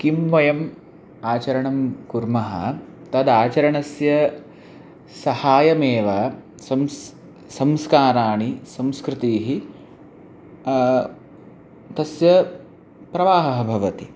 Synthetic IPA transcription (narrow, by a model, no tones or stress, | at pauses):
kimʋɐjɐm | aːt͡ʃɐɾɐɳɐmkuɾmɐɦɐ̰ | t̪ɐd̪aːt͡ʃɐɾɐɳɐsjɐ | sɐhaːjɐmeːʋa | sɐms | sɐmskaːɾaːɳisɐmskɾɪt̪iːɦi | t̪ɐsjɐ | pɾɐʋaːɦɐɦɐbʱɐʋɐt̪i